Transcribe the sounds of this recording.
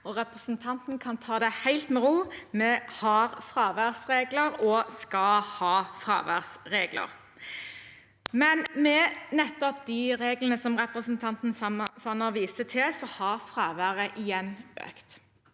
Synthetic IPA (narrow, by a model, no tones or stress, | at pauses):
ɔʁɛpʁəsnt̪ʰɑnt̪nkʰɑnt̪ʰɑːd̪ɛhæɪlt̪mɛʁuːmɛhɑʁfɾɑːʋæʁsʁeːɡləɾɔskɑhɑːfɾɑ̰ːʋæ̰ʁsʁeːɡlə̰ʁ | mɛnmɛnɛt̪ːɔp̚d̪ɪʁeːɡlənəsɔmʁɛpʁəsənt̪ʰɑnt̪n̩sɑnəʋiːsət̪ʰɪlsɔhɑʁfɾɑːʋæːʁəʔɪjɛnːø̰ːkt̪